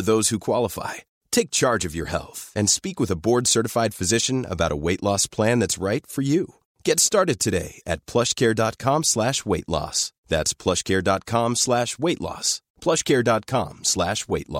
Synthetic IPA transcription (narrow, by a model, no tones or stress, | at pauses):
ðoʊz̥hukʰw̥ɑlˠəfa̰ɪ | tʰeɪk̚t͡ʃʰɑɹd͡ʒʌvjə̰˞hɛ̰lˠθɨ̃nspikwəðəbɔɹdsɜ˞ɾɨfaɪd̥fɨzɪʃɨ̃nə̰baʊɾʔə̰weɪʔˡlɔspʰl̥æ̃nðætsɹaɪtfə˞ju | ɡ̥ɛtstɑɹɾɨd̚tʰɨɾeɪɨ̰t̚pʰl̥ʌʃkʰɛɹdɑt̚kʰɑ̃mslæʃweɪʔˡlɔ̰sðætspʰl̥ʌʃkʰɛɹdɑt̚kʰɑ̃mslæʃweɪʔˡlɔ̰s | pʰl̥ʌʃkʰɛɹdɑt̚kʰɑ̰̃mslæʃweɪʔˡlɔ̰